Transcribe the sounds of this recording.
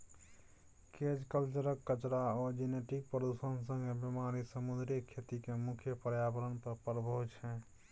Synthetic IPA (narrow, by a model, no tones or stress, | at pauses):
ked͡ʒkəlt͡ʃuɾəkːət͡ʃɾaɔd͡ʒineʈik̚pɾəd̪usənsə̃ŋɡebjemaɾisəmud̪ɾiəkʰet̪ikemukʰjəpəɾjabəɾənpəɾpəɾbʱəɦut͡ʃʰɛ̃